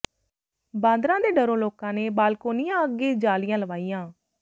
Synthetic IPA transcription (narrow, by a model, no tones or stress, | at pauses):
bãːnd̪ɾãːd̪eːɖəɾõːloːkãːneːbaːlkoːnɪjãːəɡːeːd͡ʒaːlɪjãːləʋaːijãː